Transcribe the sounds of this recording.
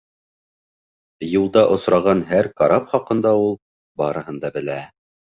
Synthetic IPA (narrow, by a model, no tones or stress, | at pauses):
julˠd̪ɑʔŏsɾɑʁɑnɦæɾkɑɾɑpχɑqɤ̆nd̪ɑulˠ | bɑɾɤ̆ɦɤ̆nd̪ɑbɘ̆læ